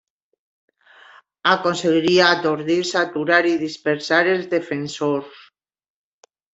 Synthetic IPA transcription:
akonseɣiɾiaːt̪oɾðiɾsat̪uɾaɾiðispeɾsaɾelzðefensoɾs

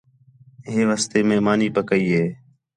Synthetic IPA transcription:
ɦeːʋaːst̪eːmẽːmaːniːpəkəiːɦeː

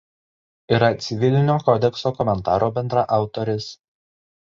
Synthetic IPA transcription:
iːɾɐt̪sʲɪʋʲɪlʲɪnʲoːkɔd̪ʲɛksoːkɔmʲɛnt̪ɑːɾoːbʲɛnd̪ɾɐʔɑˑʊt̪ɔɾʲɪs

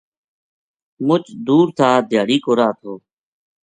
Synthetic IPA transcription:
mʊt͡ʃd̪uːɾt̪ʰaːd̪ʱɪjaːɽiːkoːɾaːt̪ʰoː

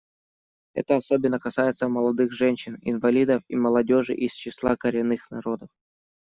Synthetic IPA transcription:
ɛ̰t̪əɐsobʲɪnːəkɐsajɪt̪səməlˠɐd̪ɨxʐɛnʲɕɪnɪ̰nvɐlʲid̪əfiməlˠɐdʲo̞ʐɨ̰ʔist͡ɕɪslˠakəɾʲɪnːɨxnɐɾo̞d̪əf

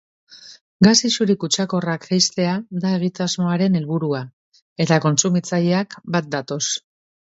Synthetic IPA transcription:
ɡasisuɾikut͡ʃako̞rakejst̪e̞ad̪ae̞ɣ̞it̪azmo̞aɾe̞ne̞lβuɾua | e̞t̪ako̞nsumit͡saʎeakbat̪̚d̪at̪o̞s

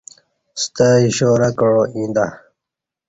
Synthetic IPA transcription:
st̪aiɕoːɾakəɻoĩnd̪a

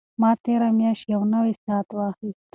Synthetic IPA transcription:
mɑːt̪eɾamjɑːʃjɐwnawesɑːt̪wɑːxist̪

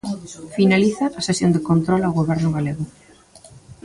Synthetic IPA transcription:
finaliθɐʔːsesjond̪ɪkont̪ɾɔlawɣoβɛɾnʊɣaleɣʊ

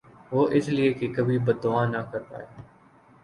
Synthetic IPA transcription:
ʋoːʔɪslieːkikəbʱiːbəd̪d̪ʊaːnaːkəɾt̪a̰ːɦɛː

